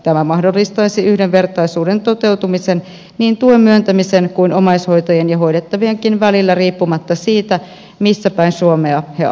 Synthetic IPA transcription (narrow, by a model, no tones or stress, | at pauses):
t̪æmæmɑhdolːist̪ɑisiʔyhdeʋʋe̞rt̪ɑisuːdent̪ot̪e̞wt̪umisen | niːnt̪uommyønt̪æmisenkuinomɑisho̞it̪ɑjenjɑɦo̞idet̪ːɑʋieŋkinʋælilːæriːpːumɑt̪ːɑsiːt̪æ | misːæpæinsuomeɑhe